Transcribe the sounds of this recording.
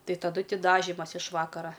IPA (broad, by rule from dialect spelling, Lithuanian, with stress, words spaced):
ˈtɐɪ tɐˈdʊ ˈtʲɪ dɐˈʒʲɪmɐs ɪʃ ˈʋɑːkɐrɐ